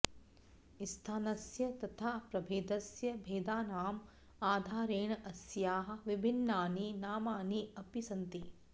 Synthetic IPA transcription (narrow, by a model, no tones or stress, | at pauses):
ist̪ʰaːnɐsjɐt̪ɐt̪ʰaːpɾɐbʱeːd̪ɐsjɐbʱeːd̪aːnaːm | aːd̪ʱaːɾeːɳɐsjaːɦɐ̆ʋɪbʱinːaːninaːmaːniɐpisɐnt̪i